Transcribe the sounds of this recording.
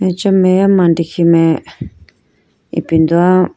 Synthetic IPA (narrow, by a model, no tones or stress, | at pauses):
mẽt͡ʃamẽjamãndiximẽ | ḭpind̪ua